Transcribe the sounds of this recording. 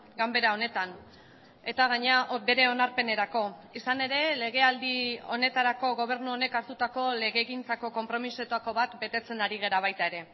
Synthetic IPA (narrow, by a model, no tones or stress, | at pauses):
ɡambe̞ɾao̞ne̞t̪an | e̞t̪aɣ̞aɲeaʔbe̞ɾe̞o̞naɾpe̞ne̞ɾako̞isane̞ɾe̞le̞ɣ̞e̞ald̪io̞ne̞t̪aɾako̞ɣo̞β̞e̞ɾnuo̞ne̞kaɾt̪ut̪ako̞le̞ɣe̞ːɣint͡sako̞ko̞mpɾo̞misot̪ako̞βat̪be̞t̪e̞t͡se̞naɾiɣ̞eɾaβ̞ajt̪ae̞ɾe̞